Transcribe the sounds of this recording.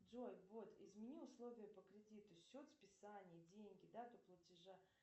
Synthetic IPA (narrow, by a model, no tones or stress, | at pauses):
ʐojʲt̪vot̪ɪzmʲɪnʲiʊslˠo̞vʲɪjəpəkɾʲɪdʲit̪ʊsʲot̪spʲɪsanʲɪjədʲeŋʲɡʲɪd̪at̪oplˠətʲɪʐa